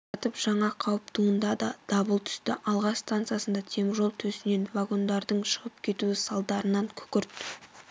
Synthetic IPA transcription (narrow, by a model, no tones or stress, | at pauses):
t̪əpʒ̥ɑɴɑqʰɑwəp̚t̪ʰuənd̪ɑd̪ɑd̪̥ɑbəlˠt̪ʰʏ̥st̪ɪʔɑlˠʁɑst̪ant̪sɨjasənd̪ɑt̪ʰe̞mɪʒo̞lˠt̪ʰɵsɪne̞nvaɡo̞nd̪ɑɾd̪əɴʃəʁəp̚kʲʰe̞t̪uɪsɑlˠd̪ɑɾənɑŋkʲʰɵ̥kʲɪɾt̪